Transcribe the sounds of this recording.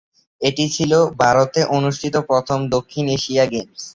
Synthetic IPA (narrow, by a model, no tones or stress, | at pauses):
eʈit͡ɕʰilobʱaɾot̪eʔonuʃʈʰit̪opɾɔt̪ʰomd̪okʰːineʃiaɡems